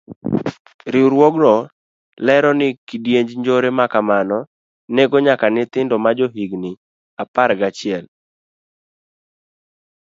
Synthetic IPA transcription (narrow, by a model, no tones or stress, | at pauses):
ɾɪɾwoɡɾɔ | lɛɾɔnɪkɪdjeɲd͡ʒɲd͡ʒoɾemakamanɔ | neɡoɲakanɪt̪ɪndɔmad͡ʒoɦiɡnɪ | apaɾɡat͡ʃɪɛl